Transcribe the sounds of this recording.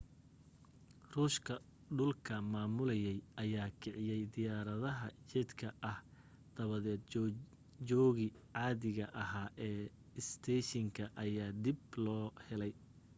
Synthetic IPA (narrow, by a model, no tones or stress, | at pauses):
ruːʃkʰɐ | ɖʊlkʰɐmaːmʊlɐjɛjʔɐjaːkʰɪʕɪjɛjd̪ɪjaːɾɐðɐɦɐt͡ʃɛd̪kʰɐʔɐh | d̪̥ɐβɐðɛːd̪ | t͡ʃɔːɣɪ | ʕaːðɪɣɐʔɐɦaːʔɛː | ɪst̪ʰɛːʃɐŋkʰɐʔɐjaːd̪ɪblɔːhɛlɛj